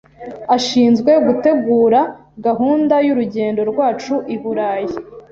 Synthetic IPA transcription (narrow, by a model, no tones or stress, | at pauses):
aʃiːnzɡwe̞ɡute̞ɡuːɾa | ɡaɦuːndajuɾuɟe̞ːndo̞ɾɡwaːt͡ʃuʔiβuɾaːje